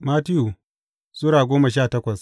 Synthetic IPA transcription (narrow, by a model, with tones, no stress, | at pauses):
maː˦tɪ˦ju˨ | sʊ˦ɾaː˨ɡʷoː˦ma˨ʃ̬aː˦˨tɐ˦kʷɐ˨s